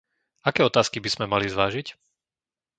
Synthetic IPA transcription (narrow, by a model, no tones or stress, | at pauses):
akɛːɔt̪aːskibiz̥mɛmalizʋaːʒic